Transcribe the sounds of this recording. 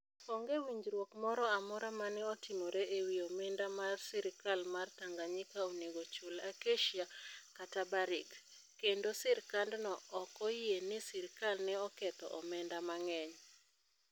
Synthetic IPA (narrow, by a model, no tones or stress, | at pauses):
kɔŋɡewiɲd͡ʒɾwokmɔɾɔamɔɾamanɛɔtɪmoɾeʔewiomɛndamarsɪɾkalmart̪aŋɡaɲɪkaoneɡot͡ʃolakeʃiakatabaɾɪɡ | kːendosɪɾkandnɔɔkɔjenɪsɪɾkalnɛɔkɛt̪ɔ̰ʔɔmɛndamaŋɛɲ